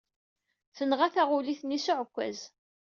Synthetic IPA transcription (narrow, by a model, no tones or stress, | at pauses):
θənʁæθæʁʊliθnisʊʕəkʷːæ̰z